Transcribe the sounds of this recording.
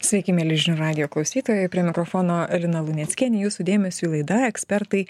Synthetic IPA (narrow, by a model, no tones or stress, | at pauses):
sʲʋʲɛɪkʲɪmʲɛlʲɪʒʲnʲuːɾɑːd̪ʲɪjoːklˠɒʊsʲiːt̪oːjojpʲɾʲiɛmʲɪkɾofoːnoːɛlʲɪnɐlˠʊnʲɛt̪sʲkʲiɛnʲɪjuːsud̪ʲeːmʲɛsʲuilˠɐɪd̪ɑːɛksʲpʲɛɾt̪ɐɪ